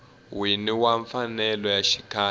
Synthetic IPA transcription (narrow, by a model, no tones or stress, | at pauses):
winiwaɱfanɛlɔjaʃi̥kʰa